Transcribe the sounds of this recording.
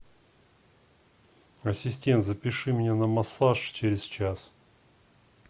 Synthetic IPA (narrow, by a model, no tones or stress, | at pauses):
ɐsʲɪsʲtʲe̞nt̪zəpʲɪʂɨmʲɪnʲanəmɐsaʂt͡ɕeɾʲɪst͡ɕas